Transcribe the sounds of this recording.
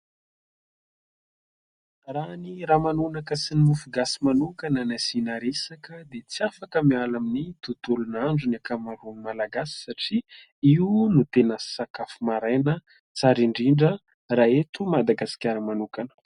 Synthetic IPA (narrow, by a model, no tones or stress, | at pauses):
raniramanunakəsinimufuɡasimanukanənazinaɾesakəd̪et͡siafakəmialaminit̪ut̪ulunaɳɖ͡ʐunakamaɾunmalaɡasi̥saʈ͡ʂi | iunut̪enəsakafumaɾajnə | t͡saɾiɳɖ͡ʐiɳɖ͡ʐə | raet̪umad̪aɡasi̥kʲaɾəmanukanə̥